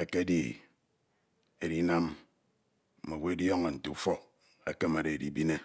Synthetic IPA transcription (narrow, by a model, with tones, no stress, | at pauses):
e˦ke˦di˨ | e˨di˦na˦m˨ | me˨we˦djo˦ŋe˨n̩˨tu˨fɔ˦ | e˨ke˦me˨de˨di˦bi˦ne˦